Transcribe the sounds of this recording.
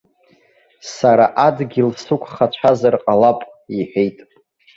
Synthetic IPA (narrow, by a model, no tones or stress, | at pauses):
saɾaʔadɡʲilsukʷʰʼχat͡ɕʷʰazarqʼalapʼ | iħʷᶣejtʼ